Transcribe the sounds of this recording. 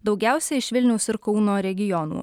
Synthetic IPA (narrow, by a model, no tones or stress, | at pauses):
d̪ɒʊɡʲæˑʊsʲɛɪʃʋʲɪlʲnʲɛʊsɪɾkɒʊnoːɾʲɛɡʲɪjɔnṵː